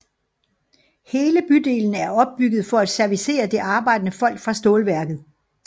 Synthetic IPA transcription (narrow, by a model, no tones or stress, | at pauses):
he̝ːləb̥yd̥e̝ːlən̩æɐɒ̽b̥̚ːyɡ̥ð̩ˠfɒ̽æd̥sæɐʋise̝̰ːɐd̥e̝ʔɑ̈ːb̥ɑ̈ɪ̰d̥ənəfɒ̽l̰ɡ̥fʁɑ̈sd̥oːlʋæɐɡ̥ð̩ˠ